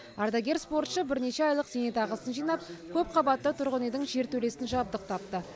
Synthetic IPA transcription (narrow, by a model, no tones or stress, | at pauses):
ard̪aɡʲe̞ɾspo̞rt̪ʃəbɪɾne̞ʃe̞ɑjlˠəqsenet̪ɑʁəsənʒijnɑp̚kʲʰɵp̚qʰɑbɑt̪ːət̪ʰʊɾʁəned̪ɪŋʒe̞ɾt̪ʰɵle̞sɪnʒɑp̚d̪əq̚t̪ʰɑp̚t̪ə